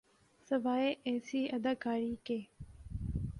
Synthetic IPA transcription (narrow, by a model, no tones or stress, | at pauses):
sɐʋaːeʔeːsiːʔɐd̪aːkaːɾiːkeː